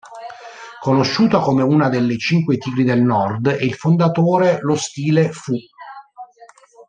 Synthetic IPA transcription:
konoʃːuːt̪akomeuːnad̪elːet͡ʃiŋkwet̪iːɡɾid̪elnɔrd̪ɛilfond̪at̪oːɾelost̪iːlefu

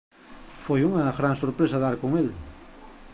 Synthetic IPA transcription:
fojuŋaɣɾaŋsoɾpɾesaðaɾkoŋel

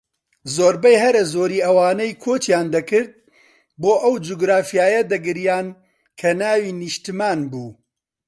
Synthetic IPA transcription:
zoːɾbɐjɦɐɾɐzoːɾiːʔɐwaːnɐjkʰoːt͡ʃjaːnd̪ɐkɨɾd̪̚ | boːʔɐwd͡ʒuɡɾaːfijaːjɐd̪ɐɡɨɾjaːn | kʰɐnaːwiːnɨʃt̪ɨmaːnbuː

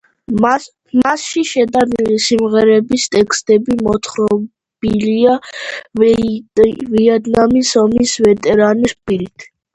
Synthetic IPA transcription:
masʃiʃɛd̪asimʁɛɾɛbist̪ʼɛkʰst̪ʼɛbimɔt̪ʰχɾɔ | b̥ilia | viɛd̪namisɔmisvɛt̪ʼɛɾanispʼiɾit̪ʰ

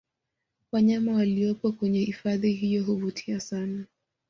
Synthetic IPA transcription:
waɲamawaliɔpɔkwɛɲɛhifaðiɦijɔɦuvutʰiasana

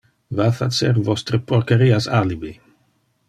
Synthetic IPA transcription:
vafat͡sɛɾvɔst̪ɾəpoɾkeɾiasalibi

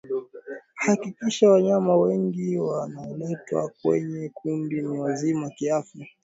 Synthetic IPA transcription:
hakikiʃawaɲamawɛŋɡiwanalɛtwa̰kwɛ̰ɲɛkʰundiniwazimakiafja

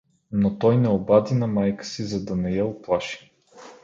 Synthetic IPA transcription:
not̪ɔjnɛobad̪inɐmajkə̥sizɐd̪ɐnɛjɛʊplˠaʃi̥

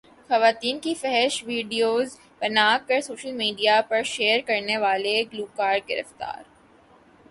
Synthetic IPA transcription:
xɐʋaːt̪iːnkifɛɦɛʃʋiːɖijoːz | pɐnaːkːɐɾsoːʃəlmiːɖijapɐɾʃeːəɾkɐɾneʋaːleɡluːkaːɾɖ̚ɡɪɾə̰ft̪a̰ːɾ

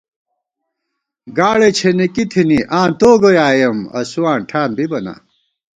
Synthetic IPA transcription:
ɡaːɽet͡ɕʰenikit̪ʰiniʔãːnt̪oːɡojaːjɐmɐ̰suwaːɳʈʰaːnbibɐna̰

